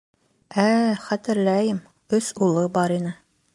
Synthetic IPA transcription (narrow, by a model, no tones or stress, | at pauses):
æχæt̪ɘ̆ɾlæjɘm | ɵsulˠɤbɑɾinɘ